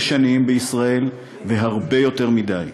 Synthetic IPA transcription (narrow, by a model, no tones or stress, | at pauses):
ʃanimbeisʁae̞l | ve̞ɦaʁbe̞jo̞te̞ʁmid̪aj